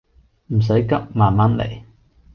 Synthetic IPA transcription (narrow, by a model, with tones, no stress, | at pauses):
m̩˨˩s̬ɐ˨˥jkɐ˥p̚maː˨nmɐ˥nlḛ˨˩j